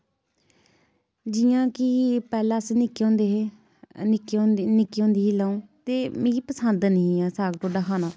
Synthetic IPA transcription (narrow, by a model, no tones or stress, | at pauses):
d͡ʒɪjãːkɪpɛːlaːsnɪkːõːnd̪e | nɪkːnɪkːiːõːnd̪iːɦiːlaːũːt̪eːmẽːɡiːpəsənd̪niaːsaːɡt̪ʰoːɖaːkʰaːnaː